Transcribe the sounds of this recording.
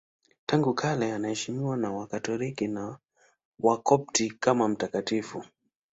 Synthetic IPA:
taŋɡukʰalɛanahɛʃimiwanawakatɔlikina | wakɔp̚tikamam̩takatifu

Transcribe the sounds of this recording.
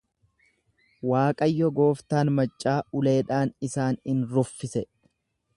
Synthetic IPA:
waːkʼɐjːɔɡo̞ːft̪aːnmɐt͡ʃʼːaːʊle̞ːᶑaːnɪsaːnɪnɾʊfːɪsɛ

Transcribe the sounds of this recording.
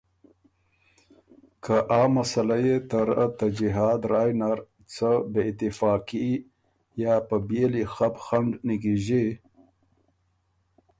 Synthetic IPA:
kʰaʔɑːmːasalajet̪əɾət̪ad͡ʒiɦɑːd̪ɾaːjnaɾ | t͡səbeɪt̪ɪfɑːki | jɑpəbelixapxaɳɖnikiʒe

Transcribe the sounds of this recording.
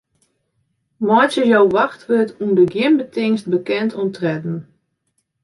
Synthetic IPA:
mɔjt͡ʃəjowʋaxtʋøtʰundəɡjɪnbətɪŋst̚bəkɛntʰɔmtʰrɛdn̩

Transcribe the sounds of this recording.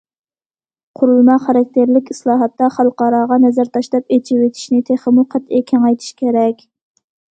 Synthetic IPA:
qʰʊɾulˠmɑχɑɾɑk̚ʲt̪ʰeɾlɪkʲi̥slˠɑːɦɑt̪ːɑχɑlˠqɑːɾɑːʁɑnɛzæɾt̪ʰɑʃlˠɑpet͡ʃʰiwet̪ʰi̥ʃnɪt̪ʰeχəmuqʰæt̪ekʲʰɛŋɑjt̪ʰi̥ʃkʲʰeɾɛkʲ

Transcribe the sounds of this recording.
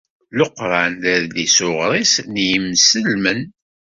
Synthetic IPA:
loqɾˤanæɾd̪isʊʁɾˤisnjəmsəlmən

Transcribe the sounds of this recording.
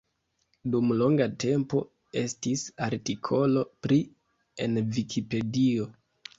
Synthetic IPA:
dumlo̞ŋɡate̞mpo̞ | e̞stisaɾtikʰo̞lo̞pɾi | e̞̰nvikʰipe̞dio̞

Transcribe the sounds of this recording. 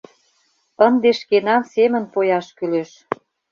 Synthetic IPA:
ənd̪eʃkenɑmsemə̆npojɑʃkyleʃ

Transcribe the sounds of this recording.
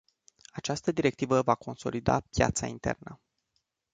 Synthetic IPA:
at͡ʃast̪əd̪iɾe̞k̚t̪ivəvako̞nso̞lid̪a̰pja̰t̪saint̪e̞̰rnə

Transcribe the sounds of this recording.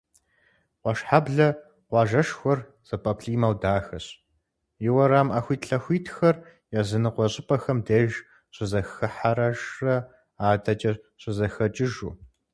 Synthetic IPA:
qʷɔʃħabɮɐ | qʷɑːʒɐʃxʷɔr | z̥ɐpʼɐpʰɬiːmɐwdaːxɐɕ | jɪwɐɾaːmʔaːxʷiːtɬɐxʷiːtʰxɐr | jazɨnɨqʷɔɕʼɪpʼɐxɐmdeːʒ | ɕʼɪzɐxɨħaɾɐʒrɐ | aːdʰɐt͡ʃʼɐɕʼɪzɐxɐt͡ʃʼɪʒṵː

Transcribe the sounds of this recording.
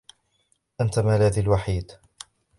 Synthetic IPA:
ʔant̪amalaːd̪alwaħiːd̪

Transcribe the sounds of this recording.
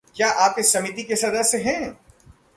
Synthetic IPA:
kjaːʔaːp̚ɪsɐmit̪̬ikesɐd̪aseɦɛ̃ː

